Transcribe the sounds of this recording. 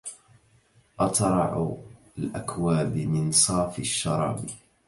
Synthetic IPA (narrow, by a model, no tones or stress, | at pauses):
ʔɑt̪ɾˤɑʕ | alʔakwaːbɪmɪnsˤɑːfɪʃːɑ̰ɾˤɑ̰ːb